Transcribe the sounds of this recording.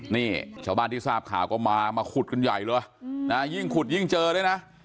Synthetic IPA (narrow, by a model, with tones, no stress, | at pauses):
niː˥˩t͡ɕʰaː˥˩wbaː˥˧˨nt̪iː˥˩saː˥˩p̚kʰa̰ː˨˩˦wkɔː˥˩maː˧maː˧kʰu˨˩t̪̚kʰɯ˧nja˨˩jlɤː˧jna˦˥ji˥˩ŋkʰu˨˩t̪̚ji˥˩ŋt͡ɕɤː˧ɾaː˧˥˩jna˦˥